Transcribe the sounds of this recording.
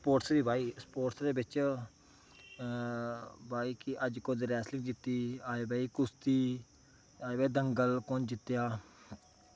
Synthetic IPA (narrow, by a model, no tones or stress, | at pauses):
spoːʈsd̪iːbaːiːspoːʈsd̪eːbɪt͡ʃ | bʱaːiːkɪʔəd͡ʒkõːd̪ɾɛːslɪ̃ŋɡd͡ʒɪt̪ːiːaːebaːiːkʊst̪iː | aːebɛːiːd̪əŋɡəlkõːnd͡ʒɪt̪ːjaː